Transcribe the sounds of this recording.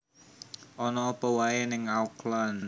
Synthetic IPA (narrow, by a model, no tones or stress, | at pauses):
ʔɔnɔːpəwaenɪŋauklann